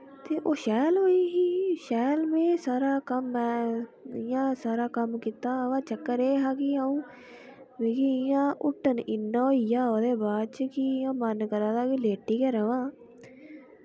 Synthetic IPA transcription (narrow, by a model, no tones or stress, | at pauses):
t̪eːʔoːʃɛːlɦoːiːɦiːʃɛːlmẽːsaːɾaːkəmɛ̃ːɪjãːsaːɾaːkəmkit̪aːʋaːt͡ʃəkːəɾeːɦaːkiːaːũː | ʋikiɪjãːʔʊʈːənɪnːaːoijaːod̪eːbaːd̪̚t͡ʃkijãːmənkəɾãːd̪aːkileːʈiːkəɾəʋãː